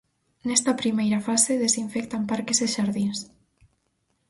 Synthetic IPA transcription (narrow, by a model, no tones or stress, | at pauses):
nɛst̪apɾimejɾafaseðesiɱfɛk̚t̪ampaɾkezeʃaɾðins